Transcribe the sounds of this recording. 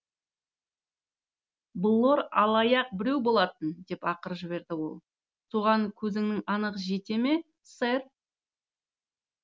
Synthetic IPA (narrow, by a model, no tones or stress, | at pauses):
bəlˠːoɾɑlˠɑjɑq̚bɪɾe̞wbo̞lˠɑt̪ənd̪e̞pɑqəɾəʒɪβe̞ɾd̪ɪwo̞̰lˠ | suʁɑŋkʲʰɵzɪŋnɪŋɑnəʁəʒe̞t̪e̞me̞ | seɾ